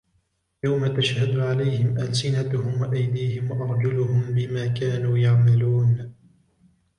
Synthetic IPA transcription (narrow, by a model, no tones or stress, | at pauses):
jawmat̪aʃhad̪ʊʕalajhɪmʔalsɪnat̪ʊhʊmwaʔajd̪iːhɪmwaʔɑɾˤd͡ʒʊlʊhʊmbɪmaːkaːnuːjaʕmaluːn